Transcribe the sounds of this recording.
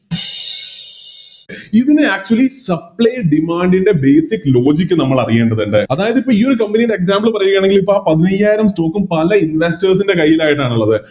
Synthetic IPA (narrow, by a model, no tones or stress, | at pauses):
iðinɨaːk̚t͡ɕuɐlisɐpɭɐjɖimaːɳɖinɖe̞be̞ːsikːlo̞ːd͡ʑik̬ʲːɨnɐmːɐɭɐrije̞ːɳɖɐðuɳɖɨɐðaːjɐðipːoːiːoɾukɐmbinijɳɖeeks̬aːmbɐlpɐrɐjukʲːaːɳe̞ŋɡilipːoɭaːpɐðinɐjːaːjiɾɐmsʈo̞ːkːumpɐlɐinʋestɐrs̬inde̞kɐjːilaːjiʈːaːɳuɭːɐðɨ